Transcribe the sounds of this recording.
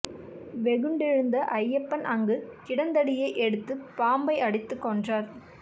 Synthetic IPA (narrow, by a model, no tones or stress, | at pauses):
ʋɛɣɯɳɖɪɻɯnd̪ɐʔɐjːɛpːɐnʔɐŋɡɯkɪɽɐnd̪ɐɽɪjɐɪʔɛɽɯt̪ːɯpaːmbɐɪɐɽɪt̪ːɯkːɔndraːɾ